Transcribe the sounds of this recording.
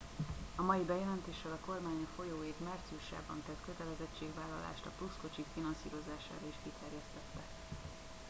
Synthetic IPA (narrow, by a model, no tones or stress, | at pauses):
ɒmɒjibɛjɛlɛnt̪eːʃɛlɒko̞rmaːɲɒfo̞joːeːk̪mart̪siuʃa̰ːbɒ̰nt̪ɛt̪kø̞t̪ɛlɛzɛt͡ʃːeːɡʋaːlːɒla̰ːʃt̪ɒplusko̞t͡ʃikfinɒnsḭːɾo̞zaːʃa̰ːɾɒiʃkit̪ʰɛrjɛst̪ɛt̪ːɛ